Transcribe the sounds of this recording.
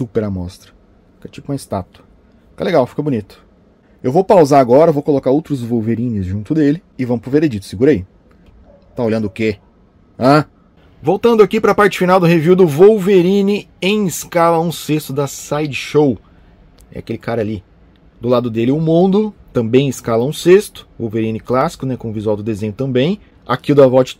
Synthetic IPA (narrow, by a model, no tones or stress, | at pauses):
supeɾɐmɔst̪ɾɐ | i̥kɐt͡ʃikũest̪at̪ʊɐ | fi̥kɐleɡawfi̥kɐbunit̪ʊ̥ | ewvowpawzaaɡɔɾɐvowkolokaɾowt̪ɾʊzvowveɾĩnɪzʒũnt̪ʊd̪elɪ | ɪvɐ̃mʊpɾʊveɾed͡ʒit̪ʊ̥sɪɡuɾɐi | t̪aolʲʎɐ̃d̪ʊʊke | ã | vowt̪ɐ̃nd̪ʊakipɾɐpaɾt͡ʃɪ̥finawd̪ʊheviwd̪ʊvowveɾĩnɪẽj̃ɪskalɐũsest̪ʊd̪ɐsajd͡ʒʃow | ɛ̰a̰kelɪkaɾɐali | d̪ʊlad̪ʊd̪elɪʊmũnd̪ʊt̪ɐ̃bẽj̃ɪskalɐũsest̪ʊ̥vowveɾĩnɪklasi̥kʊnɛkõʊvizuawd̪ʊd̪ezẽɲʊt̪ɐ̃mbẽj̃ | a̰kidʊɐvɔt͡ʃɪ̥